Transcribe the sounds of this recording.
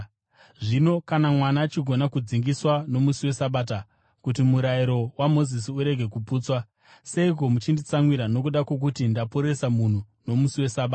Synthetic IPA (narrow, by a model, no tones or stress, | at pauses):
ʐino̞kanamwanaːt͡ʃiɡʱo̞nakud͡ziŋɡiswano̞musiwe̞saɓaːt̬a | kut̬imuɾaiɾo̞wamo̞zis̬iuɾe̞ɡʱe̞kupuːt͡swa | se̞ik̬o̞mut͡ʃindit͡saŋwiɾano̞kuɗakwo̞k̬utindapoɾe̞samun̤u | no̞musiwe̞saɓaː